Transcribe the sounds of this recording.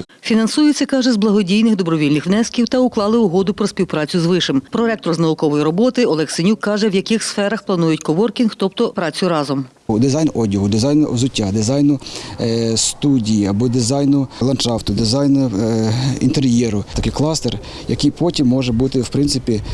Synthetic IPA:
fʲinɐnsujʊt͡sʲsʲɛkɑʒɛzblˠɐɦɔdʲijnɪɣd̪ɔbɾɔʋʲilʲnɪxwnɛskʲiwt̪ɐʊklˠɑlˠɪʊɦɔd̪ʊpɾɔsʲpʲiwpɾɑt͡sʲʊzʋɪʃɪmpɾɔɛk̚t̪ɾɔznɐʊkɔʋɔjiɾɔbɔt̪ɪɔlˠɛxsenʲukːɑʒɛwjɐkɪxsfɛɾɐxplˠɐnujʊtʲkɔʋɔrkʲinxt̪ɔp̚t̪ɔpɾɑt͡sʲʊɾɑzɔm | d̪ɪzɑjnɔdʲiɦʊd̪ɪzɑjnzʊtʲːad̪ɪzɑjnʊ | st̪udʲijiɐbɔd̪ɪzɑjnʊlˠɐnʃɑft̪ʊd̪ɪzɑjn | ḭnt̪eɾjɛɾʊt̪ɐkɪjklˠɑst̪er | jɐkijpʰɔtʲimːɔʒɛbut̪ɪwpɾɪnt̪sɪpʲi

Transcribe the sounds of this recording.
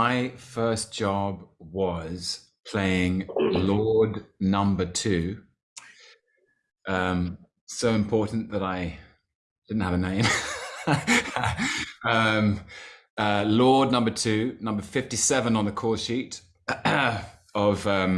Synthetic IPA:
aɪfɜˑsd̥ʒ̥ɑbwʌz̥ | pʰl̥eɪɪ̃ŋlɔːdnʌ̃mbətʰʉ | ʔʌ̃m | soʊɪ̃mpʰɔˑʔn̩ðəɾaɪ | d̥ɪdⁿn̩thəvənẽɪ̃m | ʌ̃m | ʌlɔːdⁿnʌ̃mbətʰʉnʌ̃mbəfɪftisɛvə̃nə̃nðəkʰɔːˑʃiˑt | əvʌ̃m

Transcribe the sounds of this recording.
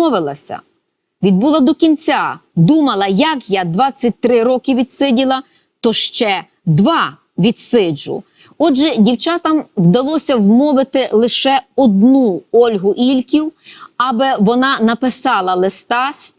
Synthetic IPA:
ɔʋɪlˠɐsʲɐ̰ | ʋʲid̪̚bulˠɐd̪ɔkʲinʲt͡sʲad̪umɐlˠɐjɐkjad̪ʋɑt͡sʲːɐt̚ʲt̪ɾɪɾɔkɪʋʲid̪sɪdʲilˠɐ | t̪ɔʃt͡ʃɛ | d̪ʋɑ | ʋʲit̪sɪd͡ʒʊ̰ | ɔʒɛdʲiwt͡ʃɑt̪ɐmwd̪ɐlˠɔsʲɐwmɔʋɪt̪ɪlˠɪʃɛɔd̪nuɔlʲɦʊʔilʲkʲiwɑbɪʋɔnɑnɐpɪsɑlˠɐlˠɪst̪ɑst̪

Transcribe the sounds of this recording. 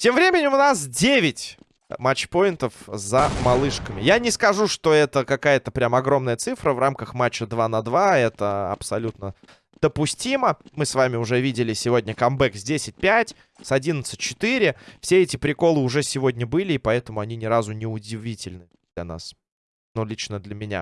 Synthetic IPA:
tʲe̞mvɾʲemʲɪnʲɪmʊnas̬dʲevʲɪtʲ | mat͡ɕːpo̞jɪnt̪əfzəmɐlˠɨʂkəmʲɪjanʲɪskɐʐuʂt̪o̞ɛt̪əkɐkajət̪əpɾʲamɐɡɾo̞mnəjət̪sɨfɾəvramkəxmat͡ɕːəd̪vanɐd̪vaɛt̪əɐ̰psɐlʲut̪nə | d̪̥əpʊsʲtʲiməmɨsvamʲɪʊʐɛvʲidʲɪlʲɪsʲɪvo̞dʲnʲəkɐmbɛksʲdʲesʲɪt̚ʲpʲætʲ | sɐdʲinət̪sɨ̥t̚ʲt͡ɕːɪt̪iɾʲɪfsʲeɛtʲɪpɾʲɪko̞lˠɨʊʐɛsʲɪvo̞dʲnʲəbɨlʲɪːpɐɛt̪əmʊɐnʲinʲɪɾazʊnʲɪʊdʲɪvʲitʲɪlʲnɨ | d̪lʲɐ̰na̰s | nulʲit͡ɕnəd̪lʲəmʲɪnʲa̰

